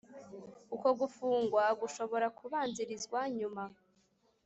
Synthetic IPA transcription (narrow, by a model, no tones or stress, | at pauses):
uko̞ɡufuːŋɡwaɡuʃo̞βo̞ɾakuβaːnziɾizɡwaɲuma